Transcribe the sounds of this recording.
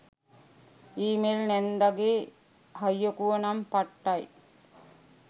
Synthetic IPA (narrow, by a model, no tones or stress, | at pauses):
iːmelnɛnd̪aɡeː | hɐjːokuʋɐnɐmpaʈːaj